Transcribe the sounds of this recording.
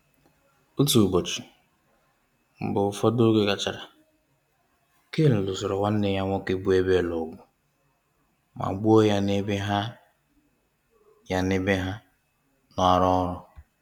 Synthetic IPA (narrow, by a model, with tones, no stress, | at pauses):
u˦tu˨bo˨t͡ʃi̥˨ | m̩˨bʊ˨ʊ˦˨fɔ˦do˦ɡe˦ka˨t͡ʃa˨ɾa˨ | ke˦l̩˨lʊ˨sɔ˨ɾɔ˨wa˦n̩˦ne˨ja˦ŋʷɔ˦ke˦bu˦e˦be˦˨lo˨ɡʷʊ˨ | ma̰˨ɡ͡bu˦o˦ja˦ne˦be˦ɦa˦ | ja˨ne˦be˦ɦa˦ | nɔ˦a˨ɾɔ˦ɾɔ˦